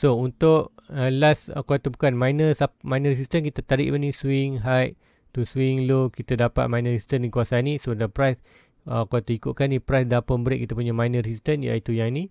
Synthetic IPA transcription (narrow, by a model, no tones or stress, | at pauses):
sount̪ʊʔəlasə̰kot̪əbukanmajnəsamajnərs̬ist̪ənkit̪at̪aɾḭʔbanĩswiŋɦajʔ | t̪uswiŋlokit̪adapa̰t̪̚majnəssist̪ənikuasanĩsodəpɾajs | əkot̪əikʊʔ̪̚kanipɾajsdapəmbəɾɪ̰ʔkit̪ap̬uɲamajnəɾisist̪ənja̰it̪ujaŋnĩ